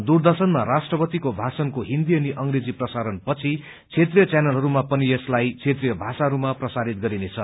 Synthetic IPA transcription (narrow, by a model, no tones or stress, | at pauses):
d̪urd̪ʌrsʌnmaɾasʈrʌpʌt̪ikobʱasʌnkoɦind̪ijʌniʔʌŋɾed͡ziprʌsaɾʌnpʌt͡sʰi | t͡sʰet̪rijʌt͡sjanʌlɦʌɾumapʌnieslajt͡sʰet̪rijʌbʱasaɦʌɾumaprʌsaɾit̪̚ɡʌɾinet͡sʰʌ